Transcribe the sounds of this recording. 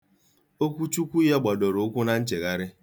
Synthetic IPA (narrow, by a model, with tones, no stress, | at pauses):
o˦kʷu˦t͡ʃu˦kʷu˦ja˦ɡ͡ba˨do˨ɾo˨˦ʊ˦kʷʊ˦na˨n̩˦t͡ʃe˨ɣa˦ɾɪ˦